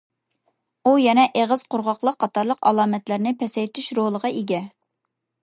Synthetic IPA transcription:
ujɛnɛʔeʁəz̥qʰoɾʁɑqlˠəqʰːɑt̪ʰɑɾlˠəqɑ̰lˠɑːmɛt̪lɪɾnɪpʰɛsɛjt̪ʰyʃɾolˠəʁɑʔeɡʲɛ

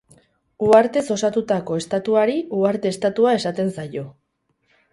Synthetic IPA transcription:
uaɾt̪e̞so̞sat̪ut̪ako̞e̞st̪at̪uaɾiuaɾt̪e̞ːst̪at̪uae̞sat̪e̞nsajo̞

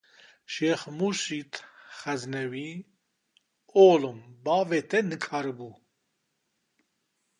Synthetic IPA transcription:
ʃeːxmusit̪xɛznɛwi | oːlumbɑːvɛt̪ʰɛnɨkʰaːɾɨbu

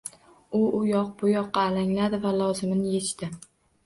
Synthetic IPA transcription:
ʊʊjɒq̚bʊjɒqːɑːlaŋlad̪ɪvalˠɒzɪmnɪje̞t͡ʃt̪ɪ

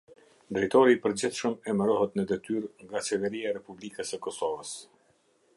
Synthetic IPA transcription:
d̪ɾɛjt̪ɔɾiːpəɾd͡ʑiθʃəmɛməɾɔɦɛt̪nəd̪ɛt̪yɾŋɡat͡ɕɛvɛɾiaɾɛpublikəsəkɔsɔvəs

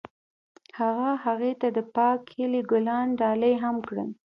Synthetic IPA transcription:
haɣahaɣet̪ad̪əpɑkhiliɡʊlɑnɖɑləjɦamkɽə̰l

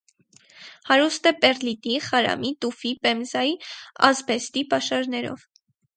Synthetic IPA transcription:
hɑɾust̪ɛpɛrlit̪iχɑɾɑ̰mit̪ufipɛmzɑjiɑ̰zbɛst̪ipɑʃɑɾnɛɾɔ̰v

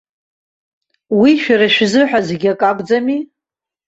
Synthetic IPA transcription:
wiʃᶣaɾaʃᶣzɨħᶣazeɡʲakʼakʷʼd͡zami

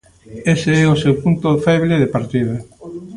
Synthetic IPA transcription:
eseɛʊsewpunt̪ʊfɛβleðepaɾt̪iðɐ

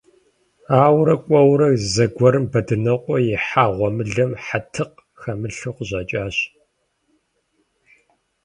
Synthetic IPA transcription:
aːwɾɐkʷʼɔwɾɐzɐɡʷɔɾɨmbɐdɨnɐqʷʼɔjɪħaːʁʷɔmɨɮɐmħatʰɨq | xɐmɨɬɨqəʑɐt͡ʃʼaːɕ

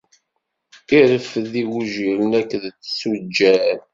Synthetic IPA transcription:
iɾəfðiwuʒiɾnækːðt͡sːsud͡ʒːæɾ

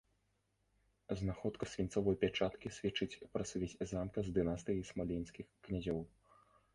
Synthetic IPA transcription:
znaxɔt̪kɐsʲvʲinsɔvɔjpʲat͡ʂat̪kʲisʲvʲɛt͡ʂɨt͡sʲpɾɐsʲvʲɛt͡sʲzamkɐzd̪ɨnast̪ɨjɐjsmalʲinsʲkʲixknʲazʲɔw

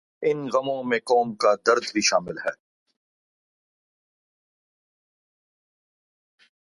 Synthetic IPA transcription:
ɪnɣɐmõmẽkɔːmkad̪ɐɾd̪ʱbʱiʃaːmɪlɦɛː

